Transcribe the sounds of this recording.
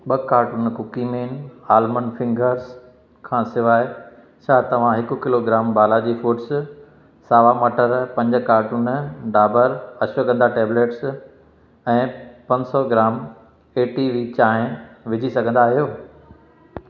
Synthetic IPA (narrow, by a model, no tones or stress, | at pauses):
ɓɐkaːɾʈuːnkʊkimeːnaːlmənfɪ̃ŋɡəɾz | kʰãːsɪʋaːɪ | t͡ɕʰaːt̪ɐʋ̤ãɦɪkʊ̆kɪloɡɾaːmbaːlad͡ʑiːfuːʈs | saːʋamɐʈʰəɾpɐ̃ɲd͡ʑʊ̆kaːɾʈuːnɖaːbəɾɐɕʋəkə̃nd̪aʈeːbleːʈs | ɛ̃ːpɐ̃ɲsɔɡɪɾaːm | eːʈiʋiːt͡ɕaːɦɪ̃ʋɪd͡ʑʱisɐɡʱə̃nd̪aːɦijoː